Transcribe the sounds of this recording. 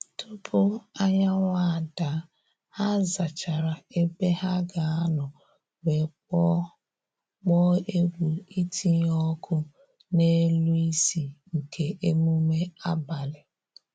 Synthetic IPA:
tʊ˦pʰʊ˦a˦ɲa˦ŋʷa˦a˨da˨˦ | a˦za˨t͡ʃa˨ɾa˨e˦be˦ɦa˦ɡa˨a˦nʊ˨ | we˨k͡pɔ˦ | k͡pɔ˦e˦ɡʷu˨i˦tʰi˦ɲɔ˦kʰʊ˦ | ne˦lu˦i˦si˨ŋ̩˨kʰe˨ʔe˦mu˦me˦a˦ba˨lɪ˨

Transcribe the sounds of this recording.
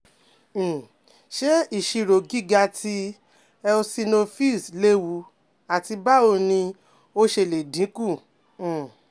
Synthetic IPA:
ʃe˦i˦˨ʃi˧ɾo˨ɡi˦ɡa˧ti˧ | ɛ˧o˧si˧no˧fi˦˨sle˦wu˨˧˦ | a˨ti˧ba˦o˧nĩ˧ | o˦ʃe˧˨le˨dĩ˨˦kũ˦˨

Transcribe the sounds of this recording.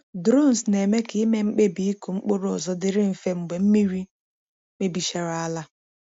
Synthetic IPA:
dɾo˦˨n˨sne˨me˦kɪ˨˦i˦me˦ŋ͡m̩˦k͡pe˦bi˨i˦ko˨ŋ͡m̩˦k͡po˦ɾɔ˨zɔ˦dɪ˦ɾɪ˦m̩˨fe˦ŋ͡m̩˨ɡ͡be˨m̩˦mi˦ɾi˦ | k͡pe˦bi˨ʃa˨ɾa˨a˦la˦

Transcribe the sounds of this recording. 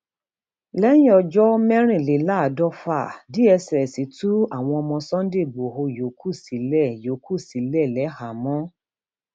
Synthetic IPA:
lɛ˦jĩ˦ɔ˧d͡ʒɔ˦mɛ˦ɾ̃ĩ˦˨le˨˦la˦˨dɔ˦fa˦˨di˦ɛ˧sɛ˨ɛ˨si˨˦tu˦a˦˨w̃ɔ̃˧ɔ˧mɔ̃˧sɔ̃˦n˦de˦˨ɡ͡bo˨ɦo˧jo˨kʰu˦˨si˨˦lɛ˦˨jo˨kʰu˦˨si˨˦lɛ˦˨lɛ˨˦ha˨mɔ̃˦

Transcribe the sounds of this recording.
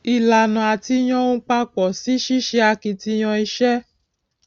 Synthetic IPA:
i˨la˨nũ˨a˨ti˧j̃ɔ̃˧˦ũ˧˦k͡pa˧k͡pɔ˨si˨˦ʃi˦ʃɛ˧a˧ki˧ti˧j̃ɔ̃˧i˧ʃɛ˦

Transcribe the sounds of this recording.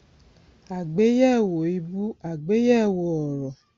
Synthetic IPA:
a˨ɡ͡be˨˦jɛ˦˨wo˨i˧bu˦a˨ɡ͡be˦jɛ˦˨wo˧ɔ˨ɾɔ˨

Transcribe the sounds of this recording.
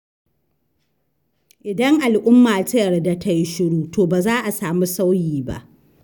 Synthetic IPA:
ʔɪ˨dɐ˦ŋʔa˨lʔʊ˦mːaː˨tɐ˦jɐ˨rda˦ta˦ji˦ʃɪ˦ɽuː˦tʰoː˨baː˨zaː˦ʔa˨saː˨mu˦sa˦wjiː˨ba̰˦ʔ

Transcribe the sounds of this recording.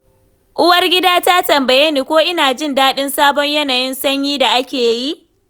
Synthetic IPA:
ʔʊ˦wɐ˦rɡʲɪ˦daː˦ta˦tɐ˨mbɐ˨jeː˦niː˦kʷoː˦ʔɪ˦naː˨d͡ʒɪ˦ndaː˦ɗɪ˦nsaː˦bɔ˦ɲjɐ˦naː˨jɪ˦nsɐ˦ɲjiː˦da˨ʔa˦kʲeː˨ji˦ʔ

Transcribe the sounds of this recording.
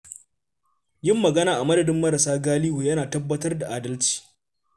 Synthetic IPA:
jɪ˦mːɐ˨ɡɐ˦naː˨ʔa˨mɐ˦dɐ˨dɪ˦mːɐ˦ɾɐ˨saː˦ɡaː˦li˦huː˨jɐ˦naː˨tɐ˦bːɐ˦tɐ˦rda˨ʔa˨dɐ˦lt͡ʃi̥ː˨

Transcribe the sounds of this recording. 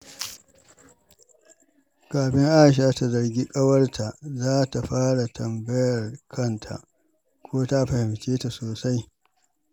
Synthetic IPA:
kaː˨ɸɪ˦ŋʔaː˦˨ʃ̬aː˦ta˨zɐ˨rɡʲi˦kʼɐ˦wɐ˦rtʰa˨ʔzaː˦ta˨ɸaː˦ɽa˨tʰɐ˨mbɐ˦jɐ˨rkʰɐ˦ntʰa̰˨ʔ | kʷoː˦ta˦ɸɐ˨hɪ˨mt͡ʃeː˦ta˨soː˨sa˦j

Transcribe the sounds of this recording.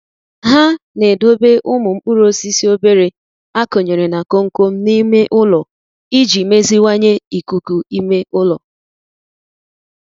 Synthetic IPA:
ɦa˦ne˨do˦be˦ʔʊ˦mʊ˨ŋ͡m̩˦k͡pu˦ɾo˦si˦si˦o˦be˦ɾe˨ | a˦ko˨ɲe˨ɾe˨na˨ko˦ŋ̩˦ko˦m̩˦ni˦me˦ʔʊ˦lɔ˨ | i˦d͡ʒi˨me˦zi˦wa˦ɲe˦i˨ku˨ku˨i˦me˦ʔʊ˦lɔ˨

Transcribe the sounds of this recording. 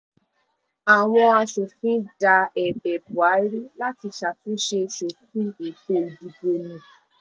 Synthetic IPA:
a˨w̃ɔ̃˧a˧ʃo˨fĩ˦da˧ɛ˨bɛ˨bu˨a˨˦ɾi˦la˦ti˧ʃa˨tũ˦ʃe˧ʃo˨fĩ˦e˨bo˧˨di˧bo˧nĩ˧

